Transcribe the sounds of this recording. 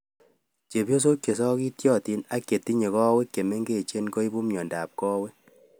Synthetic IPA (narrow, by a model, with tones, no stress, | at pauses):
t͡ʃe˨bjo˦s̬o˦kje˨sɔ˦ki˦tjɔ˦ti˦na˦kje˨ti˦ɲe˨kɔ˦wɛ˦kːe˨me˦ŋɡe˦˨t͡ʃe˦nko˦i˦bu˦mjɔ˨nda˨p̚kɔ˦wɛ˦